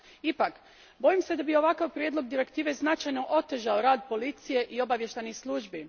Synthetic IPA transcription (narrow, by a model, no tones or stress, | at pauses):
ipak | bo̞jimse̞d̪abio̞ʋakaʋpɾʲjed̪lo̞ɡd̪iɾe̞kt̪iːʋe̞znat͡ʃajno̞ʔo̞t̪eʒaoɾaːd̪po̞lit̪sije̞ʔio̞baʋje̞ʃt̪ajnislˠuːʒbi